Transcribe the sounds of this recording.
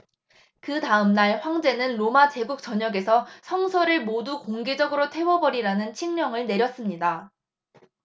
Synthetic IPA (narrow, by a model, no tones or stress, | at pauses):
kɯtaɯmnaɭɸwaŋd͡ʑe̞nɯnɾomat͡ɕe̞ɡuk̚t͡ɕ͈ʌɲʌɡe̞sʰʌsʰʌŋsʰoɾɯɭmodukoŋɡe̞d͡ʑʌɡɯɾotʰe̞wʌbʌɾiɾanɯnt͡ɕʰiŋɲʌŋɯɭne̞ɾjʌs͈ɯmɲida